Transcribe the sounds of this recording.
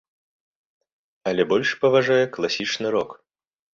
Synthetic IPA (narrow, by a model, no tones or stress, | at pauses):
ɐlʲɛbɔlʲʂpɐvaʐajɛklˠasʲit͡ʂnɨɾɔk